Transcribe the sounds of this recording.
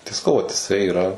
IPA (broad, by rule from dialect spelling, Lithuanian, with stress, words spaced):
tɐɪ sɐˈkɐʊ ʋɐt ɪˈsɐɪ ɪˈrɐ